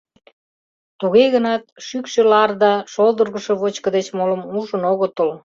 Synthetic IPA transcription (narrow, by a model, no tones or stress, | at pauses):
t̪uɣeɣənɑt̪̚ʃykʃĕlɑrd̪ɑʃolˠd̪ərɣə̆ʃeβot͡ɕkə̆d̪et͡ɕmolə̆muʒə̆noɣət̪əl